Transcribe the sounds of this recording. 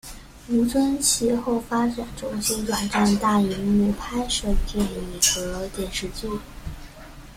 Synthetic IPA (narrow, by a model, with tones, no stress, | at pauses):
mi˧˥ŋt͡sʰwə˥nt͡ɕʰi˧˥xo˥˩ʊfa˥ʈ͡ʂa˨˩˦nʈ͡ʂʊ˧˥ŋɕi˥t̪wa˨˩nʈ͡ʂa˥˧nt̪a˥˩i˧˥mi˧˩pʰa˥ɪʂɤ˥˧t̪jɛ˥˩ni˨˩xɤ˧˥t̪jɛ˥˩nʂɻ̩˥˧t͡ɕi˥˩